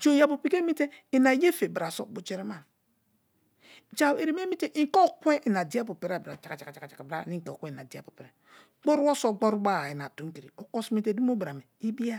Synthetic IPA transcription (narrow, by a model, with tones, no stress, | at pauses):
t͡ʃo˦˨ja˨bu˨pi˦ke˦mi˦te˦i˨na˨je˦fe˨bɾa˨so̰˨bu˨t͡ʃe˦ɾe˦ma˨ | d͡ʒa˦˨we˨ɾi˨m˦e˦mi˦te˦ʔĩ˦ko˦˨kʷe˦ʔi˨na˨di˦a˦pu˨pe˨ɾa˨bɾa˨t͡ʃa˨˦a˨t͡ʃa˨ka˨t͡ʃa˨ka˨t͡ʃa˨a˨bɾa̰˦˨ni˦ko˨ke˦˨na˨di˨˦a˦˨pu˨pe˨ɾe˨ | ɡ͡bo˦ɾwo˦so˦ɡ͡bo˦ɾu˦ba˦˨i˨na˨tu˨˦ŋ˦ki˨ɾi˨o˨ko˦smi˦te˦du˦m˦o˦bɾa˨me˨i˦bi˦a˦